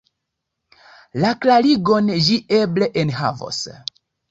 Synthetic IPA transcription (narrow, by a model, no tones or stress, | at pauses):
laklaliɡond͡ʒiʔebleʔenɦa̰vo̰s